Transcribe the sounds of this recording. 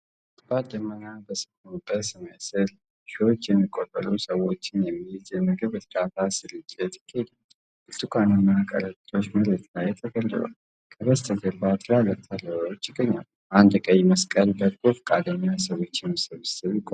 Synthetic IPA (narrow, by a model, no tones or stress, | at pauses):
t̪bad̪əmənabəsɨ̥kunbəsɨməjsɨl | ʃiwo̞t͡ʃːjɛmːikʼːot̪ʼːə̰lusəwot͡ʃːɪnjɛmːiid͡ʒɛməɡɨβɨɾkat̪ʰasɨlɨt͡ʃʼːɛt̪jɪ̥kʰːed̪a | ʔɨlt̪ʰɨkʰʷanɨnːakʼə̰ɾət̪ʼo̞t͡ʃːməɾət̪ʰlajɛt̪ʰəɡəlːɨ̰la̰l | kʰʼəβəst̪ʰəɡəbat̪ʰlalət̪ʰːaləwawot͡ʃːɪɡːəɲːa̰l | ʔand̪kʼəjməskʼənbət̪ɡofkʼad̪əɲːasəwo̞t͡ʃːɪnsɨβsɨβɪkʼo